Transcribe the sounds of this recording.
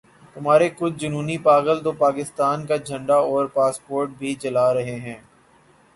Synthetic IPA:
t̪ʊmaːɾekʊt͡ʃʰd͡ʒʊnuːnipaːɣəlt̪oːpaːkɪst̪aːnkad͡ʒʱɐ̃ɳɖaɔːɾpaːspoːɾʈ̚bʱit͡ʃɐlaːɾɐɦeɦɛ̃ː

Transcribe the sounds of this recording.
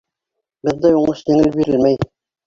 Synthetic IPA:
bɘ̆ðd̪æjuɴɤʃj̪iŋɘlbiɾɘ̆lmæj

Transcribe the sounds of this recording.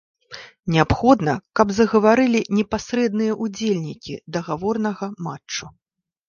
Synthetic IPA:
nʲɛapxɔd̪nɐkɐbzɐɣɐvaɾɨlʲinʲɛpasɾɛd̪nɨjɐʔud͡zʲelʲnʲikʲḭd̪ɐɣavɔrnɐɣɐmat͡ʂt͡ʂːu

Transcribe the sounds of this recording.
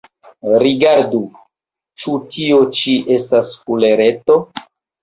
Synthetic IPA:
ɾiɡaɾdu | t͡ʃutio̞t͡ʃiʔe̞staskule̞ɾe̞to̞

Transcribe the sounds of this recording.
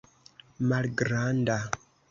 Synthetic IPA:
malɡɾanda

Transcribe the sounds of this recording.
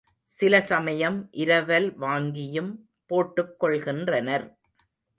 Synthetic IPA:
sɪlɐsɐmɐjɐmʔɪɾɐʋɐlʋaːŋɡɪjɯm | poːʈːɯkːɔɭɣɪndrɐnɐɾ

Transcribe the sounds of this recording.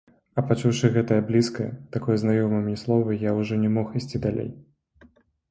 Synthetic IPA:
ɐpat͡ʂuwʂɨɣɛt̪ɐjɐblʲiskɐjɐ̰t̪akɔjznajɔmɨmʲnʲɛslˠɔvɐjawʐɔnʲɛmɔxisʲt͡sʲid̪alʲḛj

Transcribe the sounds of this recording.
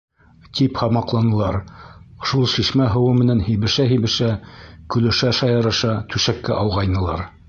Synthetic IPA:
t̪ʰiphɑmɑqlˠɑnɤ̆lˠɑɾʃulˠʃiʃmæɦɤ̆wɤmɘ̆nænhiβɘ̆ʃæɦiβɘ̆ʃækɵ̆lɘ̆ʃæʃɑjɑ̆ɾɤ̆ʃɑt̪ʉʃækːæʔɑwʁɑjnɤ̆lˠɑ̰ɾ

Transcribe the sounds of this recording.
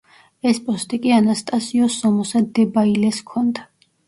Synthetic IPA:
ɛspʼɔst̪ʼikʼianast̪ʼasiɔsɔmɔsad̪ɛbailɛskʰɔnd̪a

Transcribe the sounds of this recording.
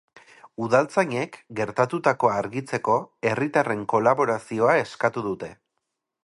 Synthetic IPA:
uðalt͡saɲe̞kɡe̞ɾt̪at̪ut̪ako̞aɾɣit͡se̞ko̞e̞rit̪are̞ŋko̞laβo̞ɾasio̞ae̞skat̪uðut̪e̞

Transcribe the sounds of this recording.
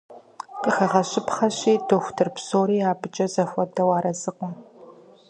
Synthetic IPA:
qəxɐʁɐɕɪpχɐɕiːdoxʷtʰɨrpsoːɾiːaːbɨt͡ʃʼɐzɐfʷɔdɐwɑːɾɐzɨqʷʊ

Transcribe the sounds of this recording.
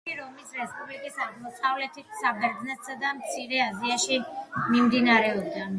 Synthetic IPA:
iɾɔmisɾɛspʼublikʼisaɡmɔsʼavlɛt̪ʰisabɛɾd̪znɛt̪sad̪amt̪sʰiɾɛaziaʃimimd̪inaɾɛɔbd̪a

